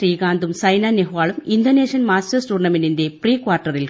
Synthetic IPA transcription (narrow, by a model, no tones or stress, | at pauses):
riːɡaːnd̪umsɐjnaːneɦʋaːɭumind̪oneːʂiɐnmaːstɐrsʈuːɖɐɳnɐmeninde̞priːkʋaːrʈːɐril